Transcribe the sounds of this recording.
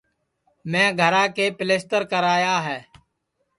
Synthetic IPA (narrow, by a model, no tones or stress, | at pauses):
mɛ̃ːɡʱəɾãːkeːpɪleːsʈəɾkəɾaːjaːɦɛː